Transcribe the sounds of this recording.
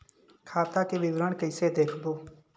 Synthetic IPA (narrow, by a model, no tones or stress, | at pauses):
kʰaːt̪akeʋɪʋɾəɳkəɪsed̪eːkʰboː